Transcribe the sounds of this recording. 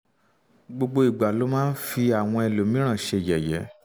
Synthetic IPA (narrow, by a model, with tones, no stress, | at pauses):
ɡ͡bo˧ɡ͡bo˧i˨ɡ͡ba˨lo˨˦mãː˦n̩˦fi˧a˨w̃ɔ̃˧ɛ˧lo˨˦mĩ˨˦ɾ̃ã˦˨ʃe˧˨jɛ˨jɛ˨˦